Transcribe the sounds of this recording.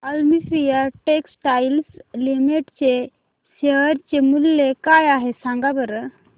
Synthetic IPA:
əlmisɾijəʈeksʈajlslimiʈt͡ɕe | ɕeəɾt͡ɕemulːekajaɦesãŋɡabəɾ

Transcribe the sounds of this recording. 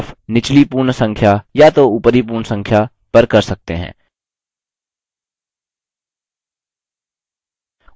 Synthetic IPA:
fnɪt͡ʃlipuːɾɳsɐ̃ŋkʰjajat̪oupəɾip̬uːɾɳsɐ̃ŋkʰja | pɐɾkɐɾsɐk̚t̪ḛɦɛ̰̃ː

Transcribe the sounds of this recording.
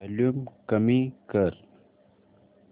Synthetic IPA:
lumkəmikəɾ

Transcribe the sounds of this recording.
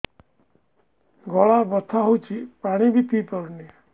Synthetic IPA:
ɡʱɔɭabɔt̪ʰaɦowt͡ʃʰipaɽ̃ibʱit̪ipɔɾni

